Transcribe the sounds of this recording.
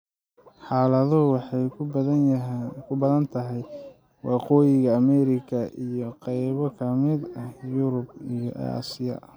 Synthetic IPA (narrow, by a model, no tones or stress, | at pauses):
ħɑːlɐðɔwɑħɑjʰðɐkʰʊbɐðɐnt̪ʰɐɦɛj | wɑqɔːjɪɣɐːmɛɾɪkʰɐʔijɔqɛjβɔkʰɐmɪd̪ɐhjʊɾʊbijɔʔa̰ːsɪjɐ̰